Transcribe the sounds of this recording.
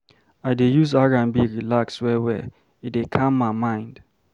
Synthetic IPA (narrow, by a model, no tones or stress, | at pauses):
aɪdejuzaɹãnbiɹilakswɛwɛ | ɪt̚ekʰãmːaɪmãɪ̃nd̥